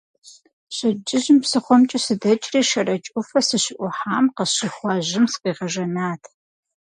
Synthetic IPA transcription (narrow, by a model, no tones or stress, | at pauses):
ɕɪd͡ʒɪʑɪmpsɨχʷɔmt͡ʃʼɐsɨdɐt͡ʃʼriːʃɐrɐt͡ʃʼʊfɐsɨɕɪʔʷʊħaːmqɐɕɪχʷɑʑɪmsɨ̥qiːʁɐʒɐnaːtʰ